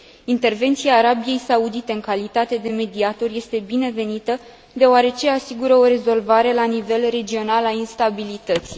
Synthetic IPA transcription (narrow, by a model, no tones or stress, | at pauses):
int̪e̞rve̞nt̪siaːɾabije̞jsaud̪it̪e̞ɨŋkalit̪at̪e̞d̪e̞me̞d̪iat̪o̞rje̞st̪e̞bine̞ve̞nit̪ə | d̪e̞oaɾe̞t͡ʃe̞asiɡuɾəo̞ɾe̞zo̞lvaɾe̞lanive̞lre̞d͡ʒio̞nalainst̪abilit̪ət̪si̥